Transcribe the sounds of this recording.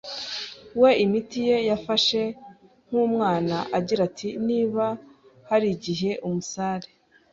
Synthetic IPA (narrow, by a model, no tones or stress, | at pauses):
we̞imitije̞jafaʃe | ŋ̥uːmŋaːnaʔaɟiɾatʰiniːβahaɾiɟiɦe̞ʔumusaːɾe